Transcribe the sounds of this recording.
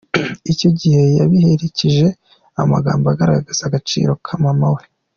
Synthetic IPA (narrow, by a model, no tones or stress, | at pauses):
ico̞ɟihe̞jaβihe̞ɾeciʒe̞ | ama̰ɡa̰ːmbaɡaɾaɡɡaz̥aɡat͡ʃḭːɾo̞kʰamamawe